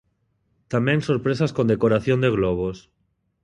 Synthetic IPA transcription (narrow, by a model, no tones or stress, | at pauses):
t̪amẽnso̞ɾpɾesaskond̪e̞koɾaθjond̪eɣ̞loβ̞os